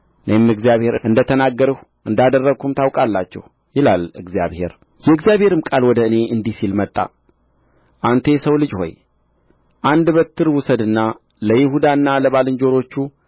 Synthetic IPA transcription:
nəjmɨɡzijaβhe̞ɾɨʔɨnd̪ət̪ʰənaɡːəɾəh | ʔɨnd̪ad̪ərːəkʰumt̪ʰawkʼalːat͡ʃːɛ̰h | jɪlalɨ̰ɡzija̰βhe̞̰ɾ | jɛɨɡzjaβhe̞ɾɨmkʼalwɔd̪əɨne̞ʔɨnd̪isilmət̪ʼːa̰ | ʔant̪ʰe̞səwlɨd͡ʒho̞̰j | ʔand̪bət̪ʰːɨɾwʊsəd̪ɨnːa | ləjɪhud̪anːaləβalɨɲd͡ʒo̞ɾo̞t͡ʃːu

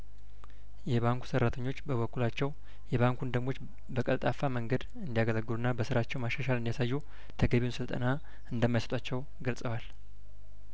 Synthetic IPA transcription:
jɛβaŋku̥sərːat̪ʰəɲːo̞t͡ʃːbəβəkːulat͡ʃːɛw | jɛβaŋkund̪əmo̞t͡ʃː | bəkʼəlt̪ʼafːaməŋɡəd̪ | ɨnd̪ijaɡələɡːɨlunːabəsɨɾat͡ʃːɛwmaʃaʃalɨnd̪ijasajːu | t̪ʰəɡəβiwunsɨlt̪ʼə̰na | ɨnd̪əmːajasə̥t̪ʼat͡ʃːɛw | ɡəlsʼəwal

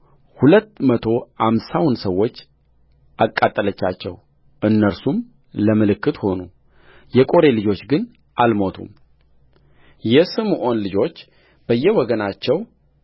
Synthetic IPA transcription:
hulət̪ːmət̪ʰo̞hamsawnsəwːo̞t͡ʃː | ʔakʼːat̪ʼːələt͡ʃːa̰t͡ʃːɛ̰w | ʔɨnːəɾsum | ləmɨlɨkʰːɨt̪ho̞nu | jɛkʼo̞ɾe̞lɨd͡ʒo̞t͡ʃːɡɨn | ʔalmo̞t̪ʰṵm | jɛsɨmʔo̞nlɨd͡ʒo̞t͡ʃː | b̥əjːɛwɔɡənat͡ʃːɛw

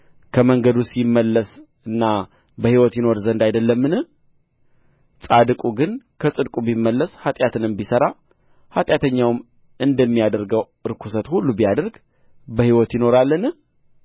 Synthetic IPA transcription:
kʰəməŋɡəd̪usjmːəlːəs | ɨnːa | bəhiwɔt̪jɪno̞ɾzənd̪ajd̪əlːəmːɨnɨh | sʼad̪kʼuɡɨnkʰəsʼɨd̪kʼubimːəlːəshat̪ʼjat̪ʰɨnɨmbisəɾa | hat̪ʼjat̪ʰəɲːawm | ɨnd̪əmːijad̪əɾɡəw | ɨɾkʰusət̪hulːubijad̪əɾɡ | bəhiwɔt̪jɪno̞ɾalːənɨ

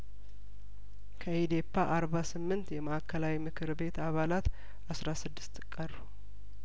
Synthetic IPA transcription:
kʰəid̪e̞pʰːaʔaɾbasɨmːɨnt̪jɛmaakʰːəlawimɨkʰɨɾbe̞t̪aβalat̪ | asɾasɨd̪ːɨ̥st̪kʼəru

